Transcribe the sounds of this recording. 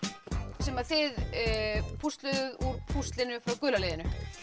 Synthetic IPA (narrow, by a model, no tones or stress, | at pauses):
sɛmaθɪð | pʰust̪lœðʏðuɾpʰust̪lɪnʏfɾawkʏːlaleːðɪnʏ